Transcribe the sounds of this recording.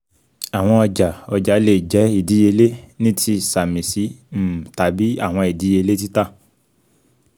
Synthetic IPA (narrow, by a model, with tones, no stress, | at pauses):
a˨w̃ɔ̃˧ɔ˧d͡ʒa˨ɔ˧d͡ʒa˨˦le˨d͡ʒɛ˨˦i˦˨di˨˦je˧le˦nĩ˦tʰi˧˨sa˨mĩ˨si˨˦m̩˦˨ta˨˦bi˦a̰˦˨w̃ɔ̃˧i˨di˨˦e˧le˦t̬i˦ta˦